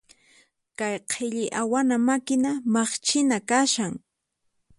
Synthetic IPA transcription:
kajqʰɪʎɪʔawanamakɪnamɑχt͡ʃɪnakaʃaŋ

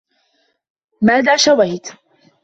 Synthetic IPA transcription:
maːðaːʃawajt̪

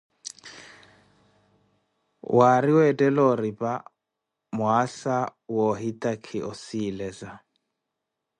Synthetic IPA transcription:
wʔaɾiwɛtʼɛlɔɾipʼa | mʊasawɔɦitʼakʰɪʔɔsilɛza

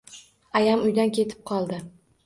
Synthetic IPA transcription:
ajamʊjd̪ankʲʰe̞t̪ʰɪ̥p̚qʰɒlˠd̪ɪ

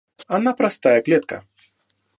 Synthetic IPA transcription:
anapɾast̪ajɐklʲɛt̪kɐ̰

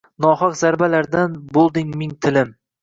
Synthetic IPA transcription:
nɒhɑqz̥aɾbalaɾd̪anbolˠd̪ɪŋmɪŋt̪ʰɪlɪm

